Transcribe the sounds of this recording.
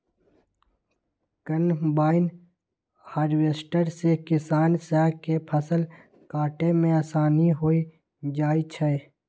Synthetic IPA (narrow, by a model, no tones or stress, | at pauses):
kənbaːɪn | haːɾweːsʈəɾsekɪsaːnsɛːkepʰəsəl | kaːʈemẽaːsaːniɦoːi | d͡ʒaːit͡ʃʰɛe